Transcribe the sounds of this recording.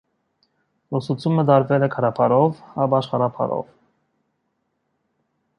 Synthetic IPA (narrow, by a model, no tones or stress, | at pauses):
lɔsut͡sʰjuməd̪ɑɾvɛlɛkʰɑɾɑpʰɑɾɔvɑbɑʃχɑɾɑpʰɑ̰ɾɔ̰v